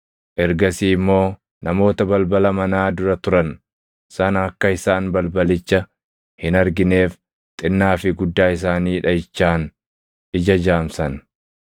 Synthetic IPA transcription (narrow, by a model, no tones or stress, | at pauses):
ʔɛɾɡɐsiːɪmːo̞ː | nɐmo̞ːt̪ɐbɐlbɐlɐmɐnaːd̪ʊɾɐt̪ʊɾɐn | sɐnɐːkːɐɪsaːnbɐlbɐlɪt͡ʃːɐ | hɪnɐɾɡɪne̞ːf | t̪ʼɪnːaːfɪɡʊd̪ːaːɪs̬aːniːᶑɐjɪt͡ʃːaːn | ɪd͡ʒɐd͡ʒaːmsɐn